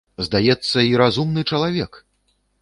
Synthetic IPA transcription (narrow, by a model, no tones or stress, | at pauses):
zd̪ajɛt̪sːɐiɾazumnɨt͡ʂɐlˠavʲɛk